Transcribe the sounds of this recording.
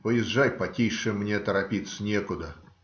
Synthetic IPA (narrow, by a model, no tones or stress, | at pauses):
pəjɪzʐajpɐtʲiʂɨmnʲet̪əɾɐpʲit̪sənʲekʊd̪ə